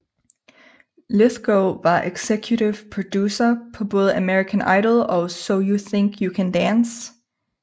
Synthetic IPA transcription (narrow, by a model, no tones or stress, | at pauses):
luθɡ̥oʊʋɑ̈ʔeɡ̥sekʰjuɾɪʋpʰɹ̥od̥juːsɐpʰɒ̽boːðˠəəmɛɹikʰə̃nɑ̰ɪɾl̩ˠɒsoʊjuθɪ̃ŋkʰjukʰæ̃ndæns